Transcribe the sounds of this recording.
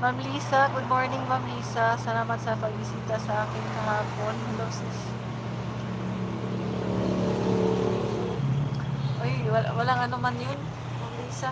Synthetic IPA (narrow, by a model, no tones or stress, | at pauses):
mɐmliːsɐɡʊd̪̚mo̞ɹnɪŋmamliːsɐsɐlaːmɐt̪sɐpɐɡ̚bɪsiːt̪ɐsɐʔaːkɪnkɐɦaːpo̞nhɛlowsɪs | ʔojɐwɐlaŋɐnomɐnjon | mɐmliːsa